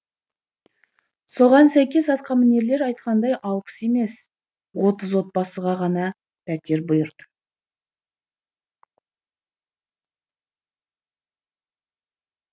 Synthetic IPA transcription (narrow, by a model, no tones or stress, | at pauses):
so̞ʁɑnsæjkʲe̞sɑt̪qɑmɪne̞ɾle̞ɾɑjt̪̚qɑnd̪ɑjʔɑwpə̥se̞me̞s | wot̪əzwo̞t̪̚bɑsəʁɑʁɑnɑ | pʰæt̪e̞ɾbʊjəɾd̪ə